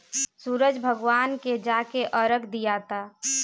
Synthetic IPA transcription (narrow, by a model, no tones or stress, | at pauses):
suːɾəd͡ʒbʱəɡwaːnked͡ʒaːkeʔəɾəkd̪ijat̪a